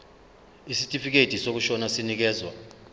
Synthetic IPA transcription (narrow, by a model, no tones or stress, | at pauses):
isitʼifik̬ed̥ʱisok̬uʃɔnasinik̬ɛːzwa̰